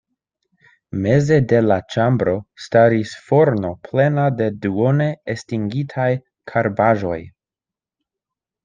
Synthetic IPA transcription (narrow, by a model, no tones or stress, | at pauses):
me̞ze̞de̞lat͡ʃambɾo̞staɾisfo̞ɾno̞pʰle̞nade̞duone̞estiŋɡitʰaj | kʰaɾbaʒo̞̰j